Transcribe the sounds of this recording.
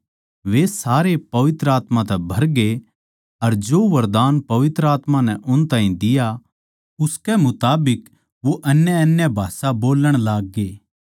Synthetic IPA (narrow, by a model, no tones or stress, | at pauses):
ʋesaːɾepɐʋɪt̪ɾəaːt̪mãt̪ɛbʱɐɾɡe | ɐɾd͡ʒoːʋɐɾd̪aːnpɐʋɪt̪ɾəaːt̪mãnɛʔʊnt̪ãːĩd̪ɪja | ʊskɛmʊt̪aːbɪk | ʋoʔɐnjəɐnjəbʱaːsaboːləɽ̃laːɡːeː